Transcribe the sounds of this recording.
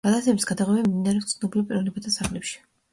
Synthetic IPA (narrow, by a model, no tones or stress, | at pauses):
ɡ̥alasɛbisɡad̪aʁwɛbamd̪inaɾɛst̪sʰnɔblipʼiɾɔvnɛbat̪ʰasaχlɛpʃi̥